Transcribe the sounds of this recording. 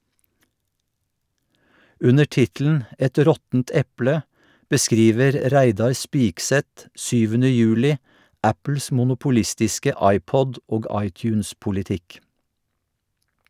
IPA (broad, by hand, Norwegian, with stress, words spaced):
ˈʉnə ˈʈɪtl̩n̩ ˈʔɛt ˈɾɔtn̩t ˈɛplə bəˈskɾiːʋəɾ ˈɾæɪdɑɹ ˈspɪksɛt ˈʃyːʋənə ˈjʉːlɪ ˈʔæpl̩s mʊnʊpʊˈlɪstɪskə ˈɑɪˌpɔd ˈʔoːɡ ˈɑɪtjʉːnspʊlɪˌtɪk